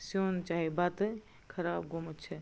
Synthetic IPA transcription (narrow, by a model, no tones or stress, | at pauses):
sont͡ʃaːɦibat̪ɨ | kʰɐɾaːbɡomətt͡ʃʰe